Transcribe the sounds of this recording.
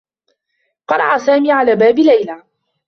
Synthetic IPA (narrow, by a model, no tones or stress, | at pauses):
qɑɾˤɑ̰ʔasaːmiːʕalaːbaːbɪlajla